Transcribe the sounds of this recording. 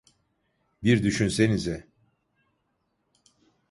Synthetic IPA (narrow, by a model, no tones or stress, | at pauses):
biɾd̪yʃynse̞nizɛ